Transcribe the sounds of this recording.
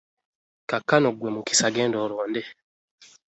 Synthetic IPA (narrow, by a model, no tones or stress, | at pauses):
kakːanoɡwemuki̥saɡeːndoːɾoːnde